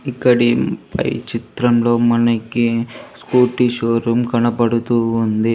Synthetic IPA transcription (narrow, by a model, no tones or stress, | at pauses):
ikːɐɽipɐ̰jt͡ʃit̪ɾɐmlo̞ːmɐnɐkiskuːʈiʃoːɾumkɐnɐpɐɽut̪uːnd̪i